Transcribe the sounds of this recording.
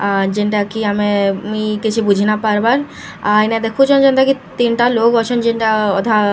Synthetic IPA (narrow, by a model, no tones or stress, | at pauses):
ad͡ʒiɳʈakiamemikit͡ʃʰibud͡ʑʱinapaɾbaɾ | ajnad̪ɛkʰut͡ʃɔnd͡ʒɔnd̪akit̪inʈaloɡɔt͡ʃʰɔnd͡ʒiɳʈaɔd̪ʱa